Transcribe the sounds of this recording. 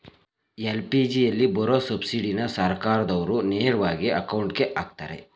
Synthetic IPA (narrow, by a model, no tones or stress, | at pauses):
elpid͡ʒijɐlːibɔɾosɐbsiɽinɐsɐɾkaːɾɐd̪ɐʋɐɾuneːɾɐʋaːɡiɐkɐwɳʈke̞ʔaːɡ̚t̪aːɾḛ